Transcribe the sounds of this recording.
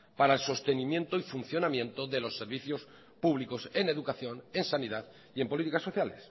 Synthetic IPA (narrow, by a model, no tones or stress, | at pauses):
paɾaelso̞st̪e̞nĩmjent̪oifun̟θjo̞namjẽ̞nt̪oðe̞lo̞sːe̞ɾβiθjo̞s | puβliko̞se̞ne̞ðukaθjo̞ne̞nsaniðað | ie̞mpo̞lit̪ikasːo̞θjale̞s